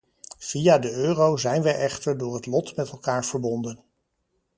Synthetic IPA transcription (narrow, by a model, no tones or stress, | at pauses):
v̥iaːdəøːrowzɛjnʋɛjʔɛχtəɹdʊːɹɦətlɔtmɛtɛlˠkaːɹv̥əɹbɔndən